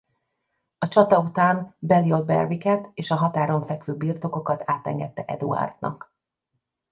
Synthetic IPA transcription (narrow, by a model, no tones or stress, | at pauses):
ɒt͡ʃɒt̪ɒut̪aːnbɛliolbɛ̰rvikɛt̪eːʃɒɦɒt̪aːɾo̞ɱfɛkʋøːbirt̪oko̞kɒt̪aːt̪ɛ̰ŋɡɛt̪ːɛʔɛ̰d̪ṵɒ̰rd̪nʔɒ̰k